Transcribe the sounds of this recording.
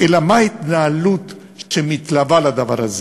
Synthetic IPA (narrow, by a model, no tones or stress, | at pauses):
elamaait̪naːlut̪ | ʃemit̪lavalad̪ava̰ʁaze